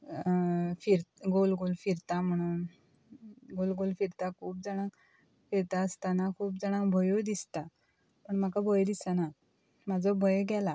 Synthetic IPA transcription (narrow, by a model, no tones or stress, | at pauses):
fiɾt̪ɡolɡolfiɾt̪am̤əɽ̃un | ɡolɡolfiɾt̪akʰuːp̚d͡zaɽ̃ãk | fiɾt̪aəst̪anakʰuːp̚d͡zaɽ̃ãkbʱəjod̪ist̪a | pəɳm̤akabʱəjd̪isana | mad͡zʱɔbʱəjɡɛla